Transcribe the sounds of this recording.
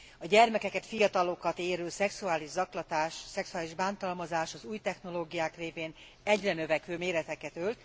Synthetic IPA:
ɒɟɛrmɛkɛkɛt̪fijɒt̪ɒlo̞kɒt̪eːɾyːlsɛksuaːliʒzɒklɒt̪aːʃsɛksuaːliʒbaːnt̪ɒlmɒzaːʃɒzuːjt̪ɛxno̞loːɡijaːkreːveːn | ɛɟrɛnø̞vɛkʋøːmeːɾɛt̪ɛkɛt̪ølt̪

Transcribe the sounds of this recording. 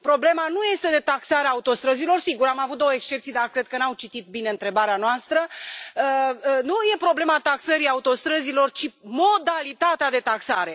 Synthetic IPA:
pɾo̞ble̞manuje̞st̪e̞d̪e̞t̪aksaɾeaut̪o̞st̪ɾəzilo̞rsiɡuɾamavut̪̚d̪owəekst͡ʃept̪sijd̪arkɾe̞d̪̚kənawt͡ʃit̪it̪̚bine̞ɨnt̪ɾe̞baɾeanoast̪ɾəənuje̞pɾo̞ble̞mat̪aksəɾiaut̪o̞st̪ɾəzilo̞rt͡ʃimo̞d̪alit̪at̪ead̪e̞t̪aksa̰ɾe̞

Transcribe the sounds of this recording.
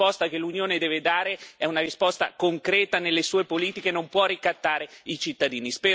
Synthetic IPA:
pɔst̪akelːunjoːned̪ɛːved̪aːɾeɛunaɾispɔst̪a̰koŋkɾɛːt̪anelːesuːepoliːt̪ikenompwɔrːikat̪ːaːɾeit͡ʃit̪ːad̪iːnispɛː

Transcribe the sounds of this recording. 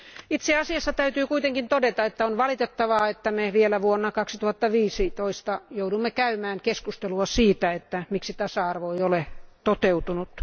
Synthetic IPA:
it̪seɑsiɑsːɑt̪æyt̪yːkuit̪eŋkint̪odet̪ɑet̪ːæonʋɑlit̪et̪ːɑʋɑːet̪ːæmeʋielæʋuonːɑkɑksi̥t̪uhɑt̪ːɑʋiːsit̪oist̪ɑjoudumːekæymæːŋkeskust̪eluɑsiːt̪æet̪ːæmiksit̪ɑsɑɑrʋoiolet̪ot̪eut̪unut̪

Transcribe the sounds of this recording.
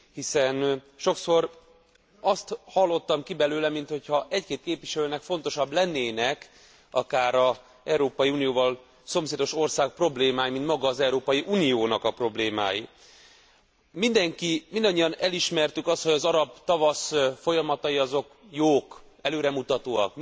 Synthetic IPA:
hisɛn | ʃo̞kso̞r | ɒst̪hɒlːo̞t̪ːɒmkibɛløːlɛmint̪ho̞chɒʔɛckeːt̪̚keːpʋiʃɛløːnɛkfo̞n̪t̪o̞ʃɒblɛnːeːnɛk | ɒkaːɾɒ | ɛɾoːpɒjiuːnijoːvɒl | so̞mseːd̪o̞ʃo̞rsaːk̚pro̞bleːmaːjimint̪mɒɡɒːzɛuɾoːpɒjiʔuːnijoːnɒkɒpro̞bleːma̰ːji | mind̪ɛŋkimind̪ɒɲːiɒnɛliʃmɛrt̪ykɒst̪ho̞ɟɒzɒɾɒbt̪ɒvɒsfo̞jɒmɒt̪ɒjiɒzo̞k | joːk | ɛløːɾɛmut̪ɒt̪oːɒ̰k

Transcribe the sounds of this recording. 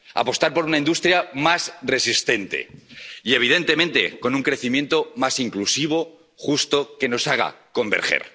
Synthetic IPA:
a̰po̞st̪aɾpo̞ɾunaind̪ust̪ɾjamasre̞sist̪e̞nt̪e̞̰ie̞β̞ið̞e̞nt̪e̞mẽ̞nt̪e̞̰ko̞nuŋkɾe̞θimje̞nt̪o̞masiŋklusiβ̞o̞ | xust̪o̞ke̞no̞saɣ̞a̰ko̞mbe̞̰ɾxḛɾ

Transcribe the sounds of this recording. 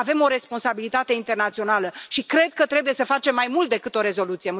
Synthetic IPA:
ave̞mo̞ɾe̞spo̞nsabilit̪at̪e̞int̪e̞rnat̪sio̞naləʃikɾe̞d̪̚kət̪ɾe̞bujesəfat͡ʃe̞mːajmult̪̚d̪e̞kɨt̪o̞ɾe̞zo̞lut̪sije

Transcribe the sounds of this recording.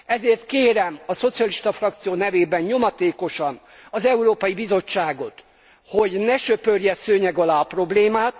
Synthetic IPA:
ɛzeːrt̪keːɾɛmɒso̞t̪sijɒliʃt̪ɒfrɒk̚t̪sijoːnɛveːbɛnɲo̞mɒt̪eːko̞ʃɒn | ɒzɛuɾoːpɒjibizo̞t͡ʃːaːɡo̞t̪ | ho̞ɟnɛʃøpørjɛsøːɲɛɡɒlaːpro̞bleːmaːt̪

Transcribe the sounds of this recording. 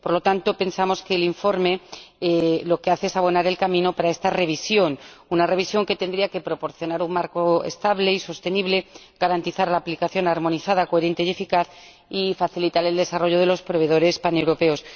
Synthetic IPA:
po̞ɾlo̞t̪ant̪o̞pe̞nsamo̞skeːliɱfo̞ɾme̞ | lo̞ke̞aθe̞esaβ̞o̞naɾe̞lkamĩno̞paɾae̞st̪are̞βisjo̞n | unare̞β̞isjo̞ŋke̞t̪e̞nd̪ɾiake̞pɾo̞po̞ɾθjo̞naɾuŋmaɾko̞ḛst̪aβle̞iso̞st̪e̞niβle̞ | ɡ̥aɾant̪iθaɾlaːplikaθjo̞naɾmo̞niθaðakoe̞ɾe̞nt̪e̞je̞fikaθ | ifaθilit̪aɾe̞ld̪e̞saro̞ʝo̞ðe̞lo̞spɾo̞β̞e̞ðo̞ɾe̞spane̞wɾo̞pe̞o̞s

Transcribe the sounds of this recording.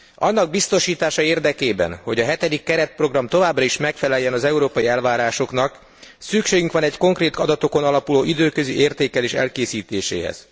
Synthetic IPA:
ɒ̰nːɒɡ̚bist̪o̞ʃiːt̪aːʃɒeːrd̪ɛkeːbɛ̰nho̞ɟɒɦɛt̪ɛd̪ikːɛɾɛt̪̚pro̞ɡrɒmt̪o̞vaːbrɒiʃmɛkfɛlɛjːɛnɒzɛuɾoːpɒjiɛlvaːɾaːʃo̞knɒk | sykʃeːɡyŋkʋɒnɛɟko̞ŋkreːt̪ɒd̪ɒt̪o̞ko̞nɒlɒpuloːʔid̪øːkø̞ziʔeːrt̪eːkɛleːʃɛ̰lkeːsiːt̪eːʃḛːɦɛ̰z̥

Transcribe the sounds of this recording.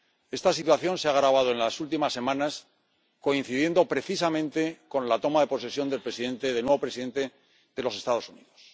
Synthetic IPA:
e̞st̪asit̪waθjõ̞nseaɣɾaβ̞að̞o̞e̞nlasult̪imasːe̞mãnas | ko̞in̟θiðje̞nd̪o̞pɾe̞θisamẽ̞nt̪e̞ko̞nlat̪o̞maðe̞po̞s̬esjo̞nd̪e̞lpɾe̞siðẽ̞nt̪e̞ðenweβo̞pɾe̞siðe̞nt̪e̞ | ð̥e̞lo̞se̞st̪að̞o̞suniðo̞s

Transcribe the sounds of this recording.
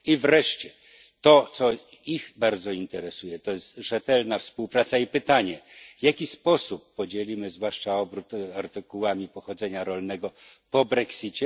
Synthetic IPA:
ivɾɛʂt͡ɕɛ | t̪ɔt̪sɔ | ixbaɾd̪zɔint̪ɛɾɛsujɛt̪ɔjɛst̪ʐɛt̪ɛlnafspuwpɾat̪saipɘt̪aɲɛvʲjakʲispɔsupːɔd͡ʑelʲimɘzvwaʂt͡ʂaɔbɾut̪aɾt̪ɘkuwamʲipɔxɔd̪zɛɲaɾɔlnɛɡɔpɔbɾɛksʲit͡ɕɛ

